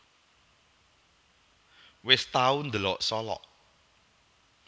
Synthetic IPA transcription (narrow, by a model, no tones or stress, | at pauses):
wɪst̪awund̪əlɔʔsɔlɔ̰ʔ